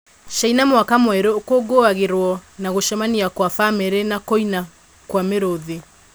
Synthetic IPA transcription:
ʃainamwakamwɛɾokoɡoaɣeɾwɔnaɣoʃɛmaniakwafameɾenakoina | kwameɾoðe

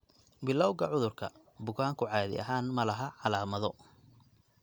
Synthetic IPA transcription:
bɪlːɔwɣʰɐʕʊðʊrkʰɐ | bʊɣaːŋkʰʊʕɑːðɪ̰ʔɐ̰ɦaːnmɐlɐɦɐʕɑlaːmɐðɔ

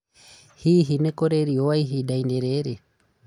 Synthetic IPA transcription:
hiːɦinekoɾeɾiowaiɦiɗaindeɾeɾe

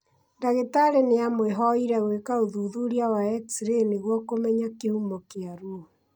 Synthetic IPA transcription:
ndaɣetaɾeneamweɦɔiɾɛɣwekaoðuːðuɾiawaɛksiɾeneɣwɔkomɛɲakehumɔkeaɾuo

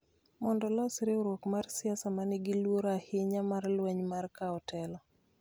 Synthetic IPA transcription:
mɔndɔlɔsɾɪoɾwokmarsɪasamanɪɡɪlwoɾahɪɲamarlwɛɲmarkaɔtɛlɔ

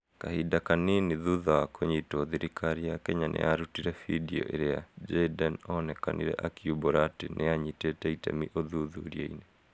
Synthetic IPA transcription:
kahidakaniniðuðawakʰoɲitɔðiɾikʰaɾijakɛɲanʔḛʔaɾutiɾɛfidiɔ̰ʔeɾea̰d͡ʒɛdanɔnɛka̰niɾɛ̰ʔakjubɔɾatenʔeaɲitɛtɛitɛ̰miʔoðuðuɾiɛḭne

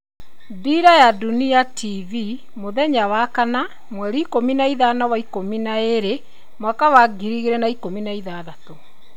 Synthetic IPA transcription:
diɾajaduniativi | moðɛɲawakana | mwɛɾiːkominaiðaːnawaikominaeɾe | mwakawaɡiɾiɣeɾɛnaikominaiðaðato

